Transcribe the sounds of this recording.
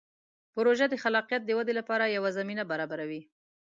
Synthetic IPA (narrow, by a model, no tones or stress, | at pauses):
pʊɾoʒad̪əxalɑqijat̪̚d̪əwad̪elapɑɾajawazaminabaɾɑbaɾawi